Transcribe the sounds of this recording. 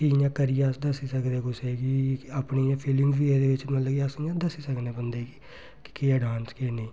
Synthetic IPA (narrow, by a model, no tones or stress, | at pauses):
kijãːkəɾɪjaːsd̪əsiːsəkd̪eːkʊseːɡiaːpniːjãːpʰɪlɪŋɡbiːẽːd̪eːʋɪt͡ʃmət̪ləɡiəsijãːd̪əsiːsəkneːbənd̪eːɡiː | kɪ̥kiːaːɖãːnskeːneː